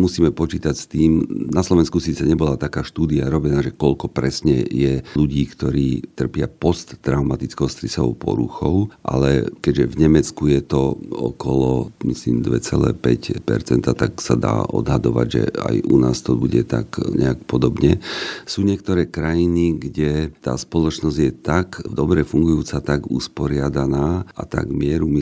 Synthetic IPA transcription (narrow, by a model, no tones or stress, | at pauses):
musiːmɛpɔt͡ʃiːt̪acst̪iːmnaslˠɔʋɛnskusiːt͡sɛɲɛbɔlat̪akaːʃt̪uːd̪iaɾɔbɛnaːʒɛkɔʎkɔpɾɛsɲɛjɛluɟiːkt̪ɔɾiːt̪r̩pɪapɔst̪ːɾaʊmat̪it͡skɛʊst̪ɾisɔɔ̰ʊpɔ̰ɾṵxɔʊʔa̰lɛ̰kɛɟʒɛvɲɛmɛt͡skujɛt̪ɔɔ̰kɔlɔmislḭːmd̪ʋɛt͡sɛlɛ̰ːpɛcpɛ̰ɾt͡sɛnt̪at̪aksad̪a̰ːʔɔ̰d̪ɦad̪ɔʋa̰ɟʒɛ̰a̰junaːst̪ɔbuɟɛt̪a̰kɲɛ̰akpɔd̪ɔbɲɛsuːɲɪɛk̚t̪ɔɾɛːkɾajiniɡɟɛt̪a̰ːspɔlɔt͡ʃnɔzɟjɛt̪akvd̪ɔbɾɛfuŋɡujuːt͡sat̪aɡṵspɔɾɪad̪anaːʔa̰t̪a̰ɡmɪɛɾumi